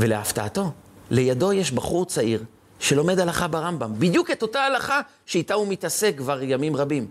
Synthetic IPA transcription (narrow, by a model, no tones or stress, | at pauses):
ve̞leaftaato̞le̞jado̞jeʃbaχuʁt͡saiʁ | ʃe̞lo̞me̞dalaχabaʁambambid̪juke̞to̞taːlaχa | ʃeitaumitase̞kːvaʁjamimʁabim